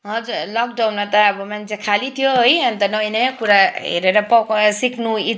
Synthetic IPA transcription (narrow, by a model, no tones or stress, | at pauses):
ɦʌd͡zuɾlɔk̚ɖawnmat̪ɔːbɔmand͡ʒekʰalit̪ʰjoɦjʌnt̪ʌnʌinepuɾaɦḛɾeɾapɔksikʰnui